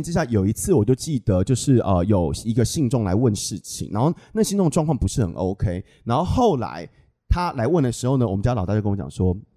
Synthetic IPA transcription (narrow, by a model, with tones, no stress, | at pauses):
nʈ͡ʂɻ̩˥ɕja˥˩jo˨˩ʊi˧˦t͡sʰɹ̩˥˩wɔ˨˩t͡ɕjo˥˧ʊt͡ɕi˥˩d̪ə˨˦t͡ɕjo˥˧ʊʂɻ̩˥˩ʔə˧jo˨˩ʊi˧˥ɡə˧ɕi˥˧ŋʈ͡ʂʊ˥˩ŋla̰˧˥ɪwə˥˧nʂɻ̩˥˩t͡ɕʰḭ˨˩ŋna̰˧˥nxo˥˧˩ʊna˥˩ɕi˥˧t̪ʈ͡ʂʊ˥˧ŋdə˩ʈ͡ʂwɑ˥˧ŋkʰwɑ˥˩ŋpu˧˥ʂɻ̩˥˩xə̰˨˩nʔo˦˥ʊkʰe˥ɪna˧˥nxo˥˧ʊxo˥˩ʊla̰˧˥˦ɪ | t̪ʰa˥la˧˥ɪwə˥˩nd̪ə˩ʂɻ̩˧˥xo˥˩ʊnə˩wɔ˨˩m̩˦t͡ɕja˥ɑ˨˩t̪a˥˧˥kə˥wɔ˧˦t͡ɕɑ̰˨˩ŋʂwɔ˥